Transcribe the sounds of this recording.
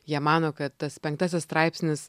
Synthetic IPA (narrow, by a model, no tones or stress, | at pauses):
jiɛmɑːnoːkɐt̪t̪ɐspʲɛŋkt̪ɑːs̬ʲɪsst̪ɾɑɪpʲsʲnʲɪs